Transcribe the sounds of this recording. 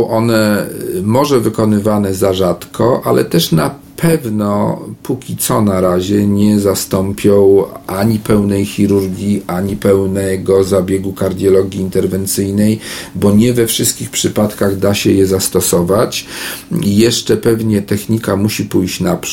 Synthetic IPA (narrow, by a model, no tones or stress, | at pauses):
ɔ̃w̃ʔɔnɛmɔʐɛvɘkɔnɘvanɛzaʐat̪kʰɔʔalɛ̰t̪ɛʂnapʰɛvnɔpukʲit̪sɔnaɾaʑɛɲɛzast̪ɔmpʲjɔ̃w̃ʔaɲipɛwnɛjxʲiɾuɾɡʲjiʔaɲipɛwnɛɡɔzabʲjɛɡukaɾd̪ʲjɔlɔɡʲiːnt̪ɛɾvɛnt̪sɘjnɛjbɔɲɛvɛfʂɘst̪̚kʲixpʂɘpat̪kaɣd̪aɕɛjɛzast̪ɔsɔvat͡ɕ | ijɛʂt͡ʂɛpɛvɲɛt̪ɛxɲikamuɕipujɕt͡ɕnap